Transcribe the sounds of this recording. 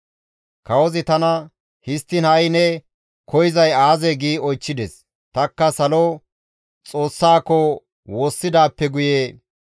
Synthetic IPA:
kɐwɔzɪt̪ɐnɐ | hɪst̪ːɪnɐjnɛ | kʰɔjɪzɐjaːzɛɡiːɔjt͡ʃːɪd̪ɛs | t̪ɐkːɐsɐlɔ | t͡sʼo̞ːsːaːkːɔ | wo̞ːsːɪd̪aːpːɛɡʊjeː

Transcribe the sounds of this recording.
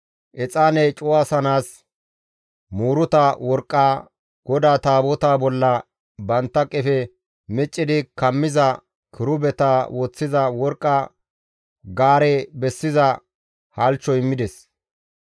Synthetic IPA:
ʔɛt͡sʼaːnɛjt͡ʃʼʊwaːsɐnaːs | muːɾʊt̪ɐwɔɾkʼːaː | ɡ̥ɔd̪aːt̪aːbɔt̪aːbɔlːɐ | bɐnt̪ːɐkʼɛfɛ | mɛt͡ʃʼːɪd̪ɪkɐmːɪzɐ | kʰɪɾʊbɛt̪aːwoːt͡sːɪzɐwɔɾkʼːɐ | ɡaːɾɛbɛsːɪzɐ | hɐlt͡ʃːɔɪmːɪd̪ɛs

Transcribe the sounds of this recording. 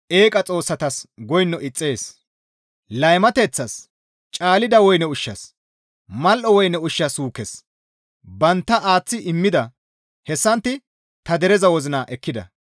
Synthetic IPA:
ʔe̞ːkʼɐt͡sʼo̞ːsːɐt̪ɐsɡɔjnːɔʔɪt͡sʼːe̞ːs | lɐjmɐt̪ɛt͡sːɐs | t͡ʃʼaːlɪd̪ɐwɔjnɛʊʃːɐs | mɐlʔɔwɔjnɛʊʃːɐsuːkɛs | bɐnt̪ːɐʔaːt͡sːɪʔɪmːɪd̪ɐ | hɛsːɐnt̪ːɪ | t̪ɐd̪ɛɾɛzɐwɔzɪnaʔɛkːɪd̪ɐ̰

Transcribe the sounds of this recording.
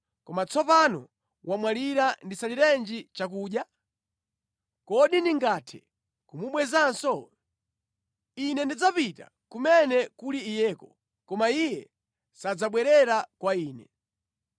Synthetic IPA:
kɔmat͡sʰɔpanɔ̰ | wamwaliɾandisaliɾɛnd͡ʒit͡ʃak̬uːɗja | kɔɗiniŋɡatʰɛ̥̰ | kumuɓwɛzansɔ | inɛndid͡zapita̰ | kumɛnɛkuliːjɛːkɔ | kɔmaijɛ | sad͡zaɓwɛɾɛɾakwaiːnɛ

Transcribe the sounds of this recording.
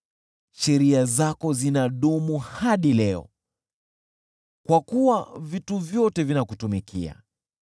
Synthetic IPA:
ʃɛɾiazakɔzinaɗumuhaɗilɛɔ̰ | kwakuwavituvjɔtɛvinakutumikʰḭa̰

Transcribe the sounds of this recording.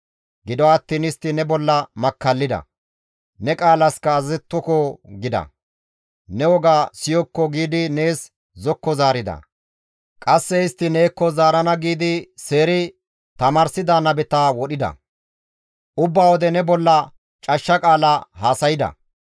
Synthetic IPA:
ɡɪd̪ɔɐt̪ːiːnɪst̪ːɪnɛbɔlːɐmɐkːɐlːɪd̪ɐ̰ | nɛkʼaːlɐskɐːzɛt̪ːɔkɔɡɪd̪ɐ̰ | nɛwɔɡaːsɪjɔkːɔɡiːd̪ɪne̞ːs | zɔkːɔzaːɾɪd̪ɐ̰ | kʼɐsːɛɪst̪ːɪne̞ːkːɔzaːɾɐnɐɡiːd̪ɪse̞ːɾɪ | t̪ɐmaːɾsɪd̪anɐbɛt̪aːwɔɗɪd̪ɐ̰ | ʔʊbːaːwɔd̪ɛnɛbɔlːɐ | t͡ʃʼɐʃːɐkʼaːlahaːsɐjɪd̪ɐ̰

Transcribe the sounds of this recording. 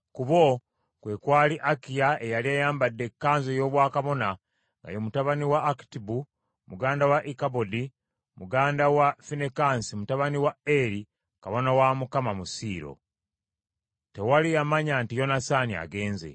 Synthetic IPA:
kuβo̞ | kwe̞kwaːliʔakijaejaliajaːmbadːe̞kːaːnzojo̞ːβwaːkaβo̞na | ŋɡa̰jomutaβaniwaːki̥tibu | muɡaːndawaʔikabodi | muɡaːndawafinekansimutaβaniwaeɾi | kaβo̞nawamukamamusiːɾo̞̰ | te̞walijamaɲantijo̞nasania̰ɡe̞ːnze̞̰

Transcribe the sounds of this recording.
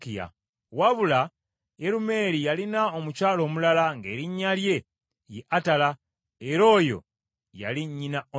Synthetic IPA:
kia̰ | waβula | jeɾume̞ɾijalinaomucaːlo̞ːmulalaŋɡe̞ːɾiɲːalje̞ | jeʔatala | eɾo̞ːjo̞̰ | ja̰liɲːinao

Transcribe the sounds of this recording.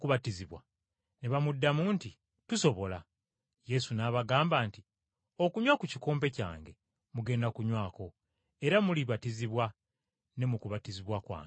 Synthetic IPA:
kuβatiziβwa | neβamudːamuːnti | tuso̞βo̞la | je̞sunaːβaɡaːmbaːnti | o̞kuɲwakuciko̞ːmpe̞ca̰ːŋɡe̞ | muɡe̞ːndakuɲwaːko̞ | e̞ɾamuliβatiziβwa | ne̞mukuβatiziβwakwa̰ːŋ

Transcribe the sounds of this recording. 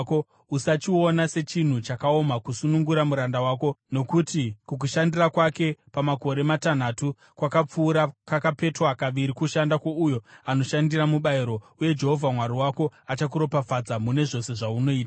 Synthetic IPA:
ko | usat͡ʃio̞nase̞t͡ʃin̤ut͡ʃakao̞makusunuŋɡuɾamuɾandawaːko̞no̞kutikuk̬uʃandirakwake̞pamako̞ɾe̞matan̤atu | kwakap͡fuːɾakakape̞troakaʋiɾikuʃandakoujo̞ano̞ʃandiramuɓaiɾo̞ | uje̞d͡ʒe̞ɦo̞vʱamwaɾiwako̞at͡ʃak̬uɾo̞pafad͡zamune̞ʐo̞se̞ʐauno̞iːta

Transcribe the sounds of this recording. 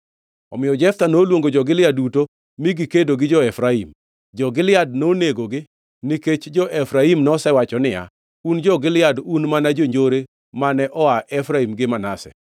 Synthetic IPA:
ɔ̰mɪjɔd͡ʒɛft̪anoːlwoŋɡod͡ʒɔɡɪlɪaduto | miɡɪkedoɡɪd͡ʒɔɛfɾaim | d͡ʒɔɡɪlɪad̚noneɡoɡɪ | niket͡ʃd͡ʒɔʔɛfɾaimnɔsɛwat͡ʃɔnɪa̰ | und͡ʒɔɡɪlɪadunmanad͡ʒoɲd͡ʒoɾe | manɛʔɔaʔɛfɾaimɡɪmanasɛ̰

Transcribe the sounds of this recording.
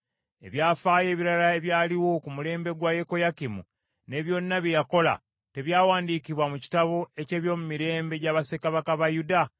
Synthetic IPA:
e̞̰βjaːfaːje̞ːβiɾalae̞βjaːliwo̞kumule̞ːmbe̞ɡwaje̞ko̞jakimṵ | ne̞ːβjo̞nːaβjejako̞la̰ | te̞βjaːwaːndiːkiβwamuci̥taβo̞e̞ce̞ːβjo̞ːmumiɾe̞ːmbe̞ɟaːβase̞kaβakaβajuda

